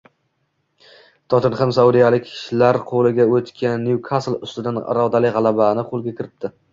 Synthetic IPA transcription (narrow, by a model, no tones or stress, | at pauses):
t̪ʰɒt̪ʰɪnχamsaud̪ijalɪkʲːʰɪ̥ʃlaɾqʰolɪɡʲaot̪kʲʰanːjukʰaslˠʊ̰st̪ɪd̪anɪ̰ɾɒd̪alɪʁɑlˠabanɪqʰolˠɡʲakʲʰɪɾɪp̚d̪̥ʰɪ